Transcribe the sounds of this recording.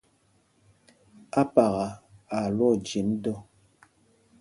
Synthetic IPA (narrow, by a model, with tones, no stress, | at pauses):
a˦pa˨ɣa˨a˨lwɔ˦˨d͡ʒi˨˦mdɔ˦˨